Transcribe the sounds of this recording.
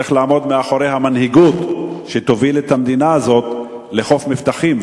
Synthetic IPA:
iχlaːmo̞d̪meaχoɾejɦamanhiɡut̪ʃet̪ovilet̪hamd̪inaːzo̞t̪ | leχo̞fmift̪aχim

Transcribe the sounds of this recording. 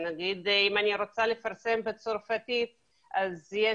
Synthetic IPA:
naɡid̪imaniɾo̞t͡sale̞faʁse̞mbet͡soɾfat̪it̪ | ʔazje

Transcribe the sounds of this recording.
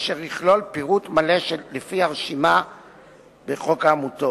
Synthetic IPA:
ʃeʁiχlo̞lpiʁut̪male̞ʃelefiaʁeʃima | beχo̞kaːmuto

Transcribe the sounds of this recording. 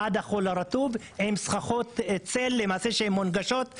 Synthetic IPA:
ad̪aχolaɾat̪uv | hemsχaχot̪t͡selːe̞maːse̞ʃeemːonɡaʃo̞t̪

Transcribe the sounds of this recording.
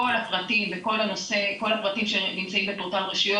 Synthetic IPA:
olapʁatimveko̞lano̞se̞ko̞lapʁatimʃenimt͡saimbetoʁtalʁeʃijo

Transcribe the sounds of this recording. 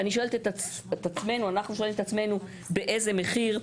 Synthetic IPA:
aniʃoelt̪et̪a | et̪at͡sme̞nuanaχnuʃ̬oelimet̪at͡sme̞nu | be̞ʔe̞ze̞me̞χiʁ

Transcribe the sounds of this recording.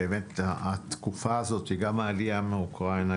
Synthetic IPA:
eemet̪aat̪kufaːzo̞t̪hiɡamaːliameukʁaina

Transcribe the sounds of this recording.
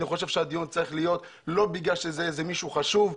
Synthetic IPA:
niχo̞ʃe̞vʃead̪ijunt͡saʁiχlijo̞t̪ | lo̞biɡlaʃezeezemiʃuχaʃuv

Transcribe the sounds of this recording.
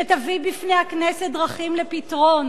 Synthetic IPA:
etavibifnehakneset̚dʁaχimlepitʁo̞n

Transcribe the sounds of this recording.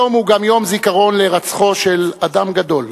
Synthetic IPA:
omhuɡamjo̞mzikaʁo̞nle̞ʁat͡sχo̞ʃe̞lad̪amɡad̪o̞l

